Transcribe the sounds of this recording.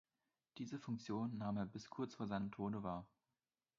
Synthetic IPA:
d̥iːzəfʊŋkt͡sjoːnːaːmeːɐbɪskʰʊɐt͡sfoːɐzaɪnəmtʰoːnəvaːɐ

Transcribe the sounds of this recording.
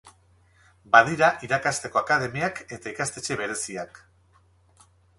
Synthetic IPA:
baðiɾaʔiɾakast̪e̞ko̞akaðe̞miake̞t̪aikast̪e̞t͡ʃe̞βe̞ɾe̞siak

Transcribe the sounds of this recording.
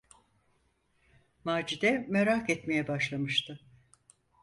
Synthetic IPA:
maːd͡ʒid̪ɛmeɾakɛt̪mejɛbaʃlˠamɯʃt̪ʰɯ

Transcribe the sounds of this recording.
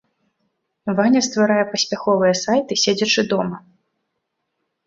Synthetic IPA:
vanʲɐst̪vaɾajɛpɐsʲpʲaxɔvɨjɛsajt̪ɨsʲed͡zʲɐt͡ʂɨd̪ɔmɐ

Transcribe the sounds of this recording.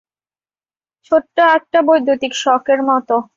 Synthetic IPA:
t͡ɕʰoʈːoɛk̚ʈabojd̪ʱːut̪ikʃɔkeɾmɔt̪o

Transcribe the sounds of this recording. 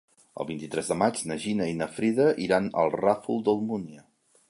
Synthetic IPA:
ə̰lˠβint̪it̪ɾɛzðəmad͡ʒnəʒinəinəfɾiðəʔiɾanə̰lˠrafulˠd̪əlˠmuniə

